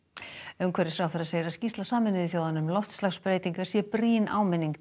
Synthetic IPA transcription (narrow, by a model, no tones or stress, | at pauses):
œmkʰvɛɾɪ̥fɾaːwfθaɾaðseːjɪɾascist̪lasaːmɪnɪðɪθjoːwðanʏmlɔft̪slaxspɾeːjt̪iŋkḁsjɛpɾiːnʔa̰ːwmɪnːiŋk